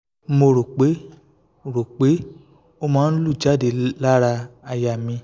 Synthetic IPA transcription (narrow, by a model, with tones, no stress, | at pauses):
mo˧ɾo˨k͡pe˨˦ | ɾo˨k͡pe˨˦ | o˦mãː˦n̩˦lu˦˨d͡ʒa˦˨de˧˨la˦ɾa˧a˧ja˧˨mĩ˧